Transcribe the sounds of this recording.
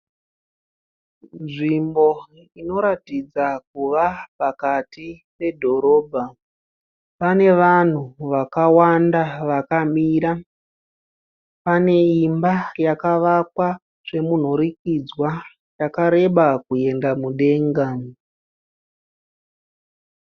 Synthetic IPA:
nʐimbo̞ | ino̞ɾatid͡zak̚uʋapakatipe̞dʱo̞ɾo̞ːbʱa | pane̞ʋan̤uʋakawandaʋakamiːɾa | pane̞imbajakaʋakwa | ʐ̥e̞mun̤o̞ɾikid͡zwa | jakaɾe̞ɓakue̞ndamuɗe̞ːŋɡa

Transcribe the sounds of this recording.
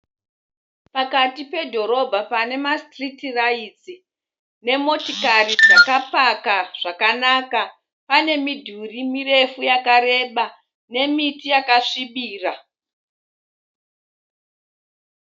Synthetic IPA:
pakatipe̞dʱo̞ɾo̞bʱapane̞mastritirait͡si | ne̞mo̞tikarid͡zakapakaʐ̥akanaka | pane̞midʱurimire̞fujakaɾe̞ɓa | ne̞mitijakaʂiɓiːra

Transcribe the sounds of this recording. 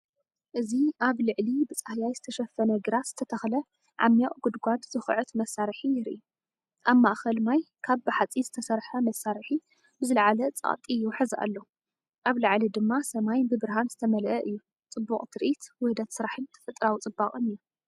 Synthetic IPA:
ʔɨziʔaβlɨʕlibɨt͡sʼahjajzɨt̪ʰɐʃɐfːɐnɐɡɨɾat̪z̥ɨt̪ʰɐt̪ʰɐxlɐ | ʕa̰mjaʔɡud̪ɡʷad̪z̥ɨxʕɨt̪mɐsːaɾħijɪɾʔi | ʔaβmaʔxɐlmaj | kʰaβbɨħat͡sʼizɨt̪ʰɐsɐɾħɐmɐsːaɾħi | bɨzɨlɐʕalɐt͡sʼa̰χʼt̪ʼijuwħɨzʔa̰lːo | ʔaβlɐʕlid̪ɨmːasɐmajbɨbɨɾɦanz̥ɨt̪ʰɐmɐlʔɐʔɨjːu | t͡sʼɨbːuχʼt̪ʰɨɾʔit̪wʊhd̪ɐt̪sɨɾaħɨnt̪ʰɐ̥fɨt̪ʼɾawt͡sʼɨbːakʼɨnɨjːu

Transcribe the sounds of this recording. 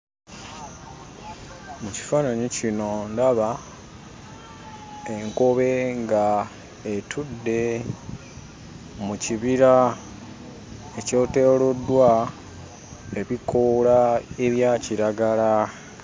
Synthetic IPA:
muci̥faːnaɲicino̞ndaβa | eŋko̞βe̞ŋɡa | etʰudːe̞ | muciβiɾa | e̞co̞ːte̞ːlodːwa | e̞βikʰolae̞βjaciɾaɡala

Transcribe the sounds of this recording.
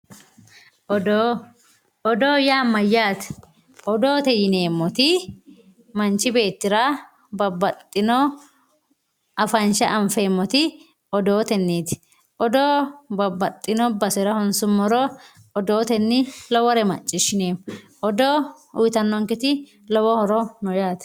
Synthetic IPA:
ʔɔd̪o | ɔd̪oːjaːmːɐjːaːt̪ | ɔd̪o̞ːt̪ɛjɪne̞ːmːɔt̪ɪ | mɐnt͡ʃːɪbe̞ːt̪ːɪɾa | bɐbːɐt̪ʼːɪnɔ | ʔɐfɐnʃɐʔɐɱfe̞ːmːɔt̪ɪ | ɔd̪oːt̪ɛnːeːt̪ | ʔɔd̪oːbɐbːɐt̪ʼːɪnɔbɐsɛɾɐhɔnsʊmːɔɾɔ | ɔd̪oːt̪ɛnːɪlɔwɔɾɛmɐ̰t͡ʃʼːɪʃɪneːm | ʔɔd̪oː | ʊjt̪ɐnːɔŋkɪt̪ɪ | lɔwɔhɔɾɔnɔjaːt̪

